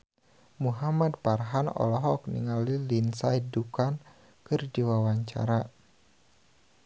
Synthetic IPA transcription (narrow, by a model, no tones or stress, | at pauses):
muɦamad̚parɦanɔ̰lɔɦɔk̚nḭŋalilinsaidukan | kɨrdiwawaɲt͡ʃa̰ɾa